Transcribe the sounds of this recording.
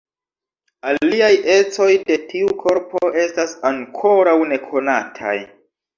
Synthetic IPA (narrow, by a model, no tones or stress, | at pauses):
aliajʔe̞t͡so̞jde̞tʰiukʰo̞ɾpoe̞stasaŋkʰo̞ɾawne̞kʰo̞natʰa̰j